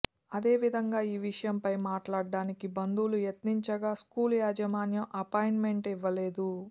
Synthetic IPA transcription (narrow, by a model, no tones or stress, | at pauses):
ɐd̪e̞ːʋid̪ʱɐŋɡaːiːʋiʂɐjɐmpɐjmaːʈlaːɖːaːnikibɐnd̪ulujet̪niɲt͡ʃɐɡaːskuːljaːd͡ʒɐmaːnjɐmʔɐpɐjinme̞ɳʈiʋːɐle̞ːd̪u